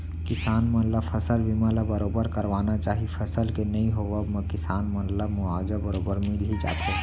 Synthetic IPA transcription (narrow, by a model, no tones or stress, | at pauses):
kɪsaːnmɐt̪ləfʰɐsəlbʱiməlabɐɾoːbəɾkɐɾʋaːnat͡ʃaːɦifʰɐsəlkenɐĩɦoʋəbməkɪsaːnmɐt̪ləbmʊaːd͡ʒabɐɾoːbəɾmilɦid͡ʒa̰ːt̪e